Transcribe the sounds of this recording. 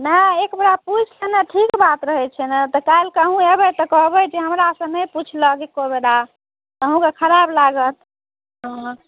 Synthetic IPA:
nəekbeɽaput͡ʃʰlenəʈʰikbat̪ɾəɦɛt͡ʃʰɛnət̪ɔkalkəɦũebət̪ɔkɔɦbəd͡ʒeɦəmɾasə̃nəjput͡ʃʰləkekobeɽa | əɦũkekʰəɾablaɡət̪ | ɦ

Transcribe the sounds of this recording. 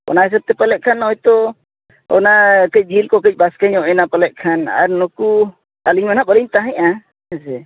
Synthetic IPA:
ɔ̰naɦɛs̬ab̚t̪ɛpalɛʔ̚kʰanhɔjt̪ɔ | ɔ̰nakəc̚ˀd͡ʒilkɔkəc̚ˀbaskɛɲɔʔɛnapalɛʔ̚kʰana̰ɾnɔku | aliɲmanaʔɓəliɲt̪aɦɛ̃ɲa | ɛsɛ

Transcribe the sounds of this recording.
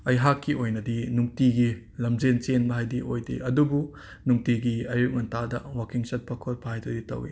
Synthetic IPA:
ɐjɦakːiʔojnɐdinuŋtiɡi | lɐmzent͡ʃenbɐɦajdiʔo̰jdḭɐdubu | nuŋtiɡiɐjuk̚mɐntadɐ̰wakiŋsɐt̚pʰɐkʰoɾpʰɐajtʰɐditɐ̰wḭ

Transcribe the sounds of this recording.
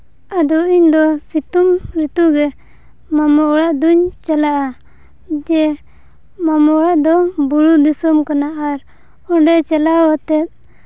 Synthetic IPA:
ad̪ɔʔiɲd̪ɔsit̪umɾit̪uɡɛ | mamɔɔɽaʔd̪uɲt͡ʃalaʔa | d͡ʒɛ | mamɔɽaʔd̪ɔbuɾud̪isɔmkanaʔaɾ | ɔɳɖɛt͡ʃɛlawat̪ɛt̪̚

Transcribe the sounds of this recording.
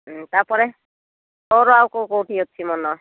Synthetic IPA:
t̪apɔɾɛ | t̪ɔɾɔawkowkowʈʰiɦot̪̚ːt͡ʃʰimɔnɔ

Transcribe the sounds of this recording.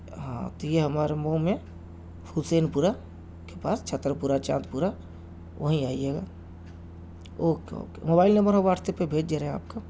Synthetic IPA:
ɦã̰t̪ojeɦɐmaːɾemõmẽ | fʰulseːnpuɾa | kepaːst͡ʃʰət̪ːɾəpuːɾat͡ʃã̰ːt̪puːɾa | ʋəɦĩaːieːɡaː | oːko̰kemoːbaːɪlnə̃mbəɾɦõʋaːʈʰt̪epebʱeːd͡ʒd͡ʒeɾeẽa̰ːp̚ka

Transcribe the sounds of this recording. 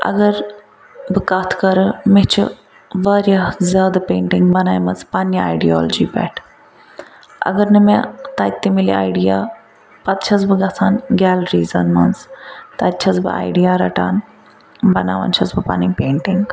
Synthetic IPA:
ɐ̰ɡɐɾ | bɨkɐt̪ʰkɐɾɨmet͡ʃʰɨ̰ | ʋɐːɾʲjazaːd̪peːɳʈiŋɡbɐnaːjmɐzpaniaiɖiɔːld͡ʒiːbɛ̰ːʈʰ | ɐ̰ɡɐɾnɨmẽt̪ɐt̪ːimilḭa̰ːiɖija | pɐt̪t͡ʃʰɐzbɨɡɐt͡sʰaːnɡʲɛːlɾiːzɐnmɐnzt̪ɐtt͡ʃʰɐzbɨ̰ʔa̰ːiɖijaːɾɐʈa̰ːn | bɐna̰ːʋɐ̰nt͡ʃʰɐsbɨpa̰niːpeːɳʈiŋɡ

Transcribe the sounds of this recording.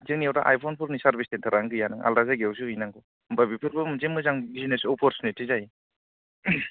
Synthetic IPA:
zeŋniawtaʔajpʰɔnpʰuɾnisaɾbistentʰaɾaŋɡɯjanɯŋʔa̰lɾazaɡews̬uɦɯjnaŋɡɔ | bajbipʰɯɾbɯmɯzemɯzaŋbizinesɔpʰɔɾsʰɔnetizaji

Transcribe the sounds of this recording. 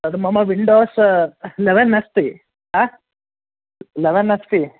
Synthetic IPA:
ɐd̪umɐmɐʋiɳɖoːsleʋɐnːɐst̪i | a | leʋɐnːɐst̪i

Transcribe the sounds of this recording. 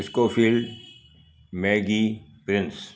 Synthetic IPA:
ɪskoːfiːlɖ | meːɡipɾɪ̃ns

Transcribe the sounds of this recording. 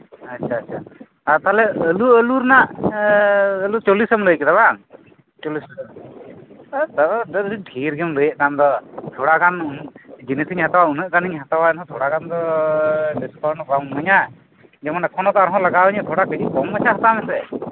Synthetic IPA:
atːt͡ʃʰaːtːʰa | aɾt̪alɛəluəluɾnaʔ | əlut͡ʃolisɔmləjkɛd̪aβaŋ | t͡ʃolis | t̪aadəiʈʰiɾɡɛmləjəʔkamd̪ɔt̪ʰoɽaɡanund͡ʒinisʰiɲhat̪awaunəʔkaniɲɦat̪awaɛnɦɔ̃t̪ʰɔɽaɡand̪ɔ | ɖiskɔɾnɔkamməɲaʔ | d͡ʒɛmanakʰɔnɔt̪ɔaɾɦɔ̃laɡabəɲat̪ʰoɽakəd͡ʒikɔmat͡ʃʰaɦat̪amɛsɛ

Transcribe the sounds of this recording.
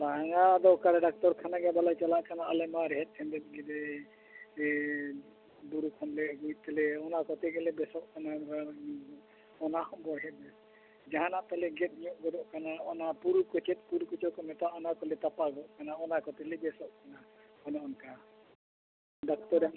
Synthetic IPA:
t̪aɦaŋad̪ɔkaɾɛɖak̚t̪ɔɾkʰanaɡɛbalajt͡ʃalaʔkanaʔalɛmaɾɛɦɛt̪̚ʰɛnd̪ɛt̪̚ɡɛd̪ɛ | buɾukʰɔnlɛɡujt̪̚t̪ɛlɛɔnakɔt̪ɛɡɛlɛbɛsɔʔkanaɾaniɡɔ | ɔnahɔbɔɾɦɛt̪ɛ | d͡ʒaɦanaʔt̪alɛɡɛt̪̚ˀɲijɔʔɡɔd̪ɔʔkanaɔnapuɾukɔt͡ʃɛt̪̚puɾukɔt͡ʃɔʔkɔmɛt̪aʔɔnakɔlɛt̪apaɡɔʔkanaɔnakɔt̪ɛlɛbɛsɔʔkana | ɔnaʔɔnka | ɖak̚t̪ɔɾ

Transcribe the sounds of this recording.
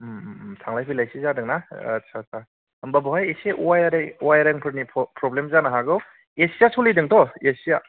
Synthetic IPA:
mmsʰaŋlajpʰilajsizadɯŋnaɐ̰tsʰasʰa | ɐmbabɔɦajeseʔuwajaɾejuwajaɾeŋpʰɯɾnipʰpɾɔblemzanaɦaɡɯw | esijasulidɯŋtɔesija

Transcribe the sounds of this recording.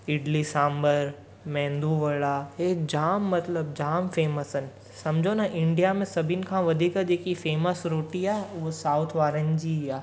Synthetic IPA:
ɪɖlisãːmbəɾ | mɛ̃ːnd̪uʋəɭaɦed͡ʑaːmːɐt̪ləbd͡ʑaːmfeːməsən | sɐ̃md͡ʑʱonaʔɪ̃ɳɖijamẽsɐbʱinkʰãʋɐd̪ʱiːkad͡ʒeːkifeːməsɾoːʈiaːosaːʊt̪ʰʋaːɾənd͡ʑiaː

